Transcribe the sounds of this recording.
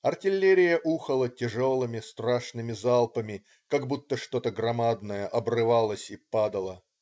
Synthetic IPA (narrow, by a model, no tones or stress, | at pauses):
ɐrtʲɪlʲːeɾʲɪjəʔuxəlˠətʲɪʐo̞lˠɨmʲɪst̪ɾaʂnɨmʲɪzalˠpəmʲɪ | kaɡbut̪ːəʂt̪o̞t̪əɡɾɐmad̪nəjəʔɐbrɨvalˠəsʲipad̪əlˠə